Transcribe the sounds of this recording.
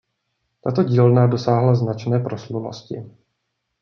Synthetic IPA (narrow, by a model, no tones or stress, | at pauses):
t̪at̪o̞ɟiːlnado̞saːɦlaznat͡ʃnɛːpɾo̞sluno̰scɪ